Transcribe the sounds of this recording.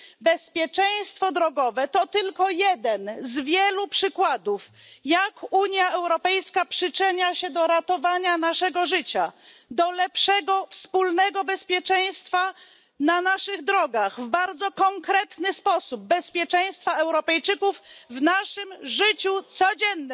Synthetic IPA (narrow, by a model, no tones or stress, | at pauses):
bɛspʲjɛt͡ʂɛj̃st̪fɔd̪ɾɔɡɔvɛt̪ɔt̪ɘlkɔjɛd̪ɛnzvʲjɛlupʂɘkwad̪ufjakuɲjaɛwɾɔpɛjskapʂɘt͡ʂɘɲaɕɛd̪ɔɾat̪ɔvaɲanaʂɛɡɔʐɘt͡ɕad̪ɔlɛpʂɛɡɔfspulnɛɡɔbɛspʲjɛt͡ʂɛj̃st̪fa | nanaʂɘɣd̪ɾɔɡaɣvbaɾd̪zɔkɔŋkɾɛt̪nɘspɔsub̚ːɛspʲjɛt͡ʂɛj̃st̪faɛwɾɔpɛjt͡ʂɘkufvnaʂɘmʐɘt͡ɕut̪sɔd͡ʑɛnː